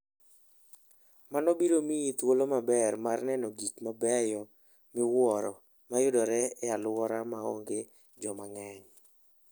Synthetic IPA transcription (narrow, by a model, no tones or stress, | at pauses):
manɔbiɾomiit̪wolomabɛrmarnɛnɔɡikmabɛjɔ | mɪwɔɾɔ | majʊdɔɾɛalwɔɾamao̰ŋɡe | d͡ʒɔmaŋɛɲ